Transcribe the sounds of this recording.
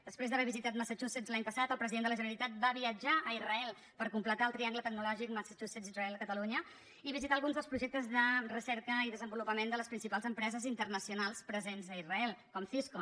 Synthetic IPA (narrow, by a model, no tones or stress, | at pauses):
d̪̥əspɾezðəβɛβizit̪at̪məsat͡ʃusezlaɲpəsat̪əlˠpɾəziðend̪ələʒənəɾit̪at̪̚baβiəd͡ʒaʔəirəɛlˠ | pəɾkumplət̪aəlˠt̪ɾiaŋɡlət̪ək̚nulɔʒik̚məsət͡ʃusezirəɛlˠəkət̪əluɲə | iβizit̪alɣunzðəlspɾuʒɛk̚t̪əzðərəsɛɾkəiðəzəmbulupəmend̪ələspɾinsipalˠzəmpɾɛzəzint̪ərnəsiunalˠspɾəzenzəirəɛlˠkɔmθisko